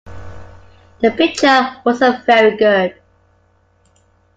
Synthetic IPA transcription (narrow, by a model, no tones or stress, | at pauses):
ðəpɪk̚t͡ʃəwɔzəvɛɹiɡʊd̥̚